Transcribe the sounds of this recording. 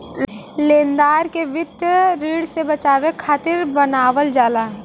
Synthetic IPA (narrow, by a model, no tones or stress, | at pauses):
lẽːnd̪aːɾkeʋɪd̪jɾiːɽsebɐt͡ʃaːʋekʰaːt̪ɪɾbənaːʋəld͡ʒaːla